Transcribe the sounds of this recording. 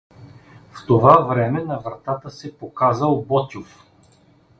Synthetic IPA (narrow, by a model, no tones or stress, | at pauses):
ft̪ovavɾɛmɛnɐvɾɐt̪at̪əsɛpokazəlˠbɔt̪ʲof